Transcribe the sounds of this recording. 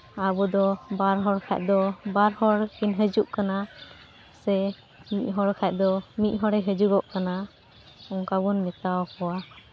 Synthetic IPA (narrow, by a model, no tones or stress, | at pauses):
abɔd̪ɔbaɾɦɔɽkʰa̰ʔ̚ˀd̪ɔbaɾhɔɽinɦəd͡ʒuʔkana | sɛ | mic̪̚ˀɦɔɽkʰaʔ̚ˀd̪ɔmic̪̚ɦɔɽɛɦəd͡ʒuɡɔʔkana | ɔŋkabɔnmɛt̪awɔkɔwa